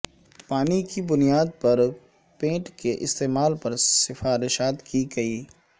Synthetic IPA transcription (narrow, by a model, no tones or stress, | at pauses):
paːnikibʊnijaːd̪̚pɐɾ | pẽːʈkeʔɪst̪eːmaːlpɐɾsɪfaːɾɪʃaːt̪kiɡɐiː